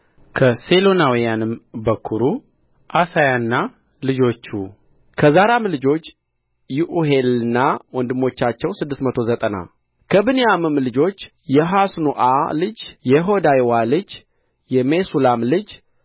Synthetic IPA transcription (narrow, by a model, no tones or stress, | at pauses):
kʰəselo̞nawijanɨmbəkʰːuɾu | ʔasajanːa | lɨd͡ʒo̞t͡ʃːu | kʰəzaɾamlɨd͡ʒo̞t͡ʃː | juʔuɦe̞lɨnːawɔnd̪ɨmːo̞t͡ʃːat͡ʃːɛwsɨd̪ːɨst̪mət̪ʰo̞zət̪ʼəna̰ | kʰəbɨnejamɨmlɨd͡ʒo̞t͡ʃː | jɛɦasnuʔalɨd͡ʒjɛɦo̞d̪ajwalɨd͡ʒ | jɛmesulamlɨd͡ʒ